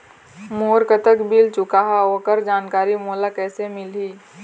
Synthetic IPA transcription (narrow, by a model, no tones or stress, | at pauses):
moːɾkət̪əkbʱilt͡ʃʊkaɦaoːkəɾd͡ʒaːnkaːɾimoːlakɛːsemɪlɦiː